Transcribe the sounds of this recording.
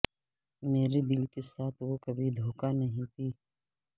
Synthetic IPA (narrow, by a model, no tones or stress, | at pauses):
meːɾed̪ɪlkesaːt̪ʰʋokɐbʱid̪ʱoːkanɐɦĩt̪ʰiː